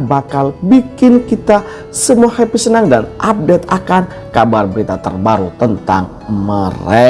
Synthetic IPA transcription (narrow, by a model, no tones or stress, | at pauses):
bakalbikɪnkit̪a | səmuahɛpisənaŋdanʔap̚dɛt̪akan | kabarbəɾit̪at̪ə̰rbaɾut̪ənt̪a̰ŋ | məre